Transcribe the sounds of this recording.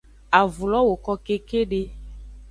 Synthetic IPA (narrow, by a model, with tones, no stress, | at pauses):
a˨vu˨lɔ˦wo˨kɔ˦ke˦ke˦ɖe˦